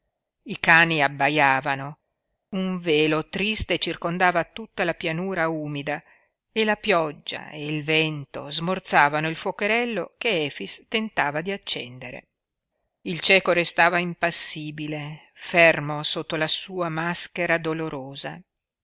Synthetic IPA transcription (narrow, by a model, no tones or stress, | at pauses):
ikaːniabːajaːvano | uɱveːlot̪ɾist̪et͡ʃirkond̪aːvaːt̪ːut̪ːalapjanuːɾauːmid̪a | elapjɔd͡ʒːa̰eilvɛnt̪o̰zmort̪saːvanoilfokeɾɛlːokeɛːfist̪ent̪aːvad̪iat͡ʃːɛ̰nd̪eɾḛ | ilt͡ʃɛːkoɾest̪aːvaimpasːiːbile | fermosot̪ːolasuːamaskeɾad̪oloɾoːza